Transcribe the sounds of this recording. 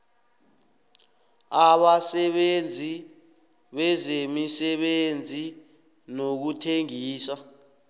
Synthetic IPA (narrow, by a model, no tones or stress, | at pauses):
aɓasɛɓend͡zʱi | ɓɛzemisɛɓend͡zʱi | nok̬utʰeŋiːsa